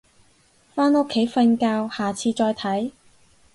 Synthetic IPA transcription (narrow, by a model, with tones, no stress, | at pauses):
faː˥no˥kʰːe˨˥jfɐ˧nkaː˧whaː˨t͡sʰiː˧t͡ʃɔː˧jt̪ʰɐ˨˥j